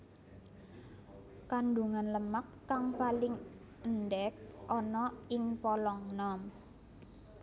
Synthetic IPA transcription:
kanɖuŋanləmakːaŋpalɪŋ | ənɖɛk̚ʔɔnɔɪŋpɔlɔŋnɔm

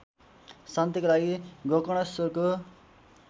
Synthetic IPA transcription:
sant̪ikolaɡiɡokʌɽ̃ʌsorko

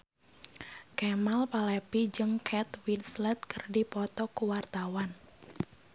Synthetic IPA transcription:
kɛmalpalɛpid͡ʒɨŋkʰɛt̪winslɛt̪̚kərdipɔt̪ɔkuwart̪awan

